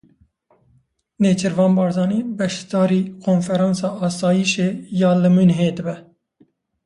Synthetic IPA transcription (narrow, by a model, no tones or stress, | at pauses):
neːt͡ʃʰɨɾvɑːnbɑːɾzɑːnibɛʃd̪ɑːɾiːkʰoːnfɛɾɑ̃ːnsɑːʔɑːsɑːjiʃeːjɑːlɨmɨnɦeːd̪ɨbɛ